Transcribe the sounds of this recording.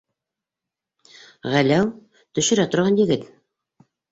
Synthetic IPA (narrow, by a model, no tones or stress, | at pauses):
ʁælæw | t̪ɵ̆ʃɵ̆ɾæt̪ŏɾʁɑnjɘ̆ɡɘt̪